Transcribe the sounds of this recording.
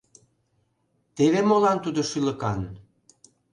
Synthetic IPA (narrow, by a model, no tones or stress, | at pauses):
t̪eβemolɑnt̪ud̪oʃylə̆kɑn